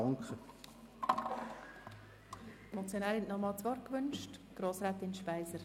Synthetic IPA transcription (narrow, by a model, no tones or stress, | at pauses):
ŋkχə | mɔt͡sjonaːlhɛntnɔmɑːlt͡sʋɔɾkʋʏnʃtɡ̥ɾoːsɾaːt̪ɪnʃpaɪzəɾ